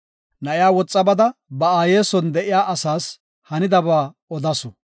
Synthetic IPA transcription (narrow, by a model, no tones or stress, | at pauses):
nɐʔɪjaːwɔt͡sʼːɐbɐd̪ɐbɐaːjeːsɔnd̪ɛʔɪjaːʔɐsaːs | hɐnɪd̪ɐbaː | ɔd̪ɐsɔ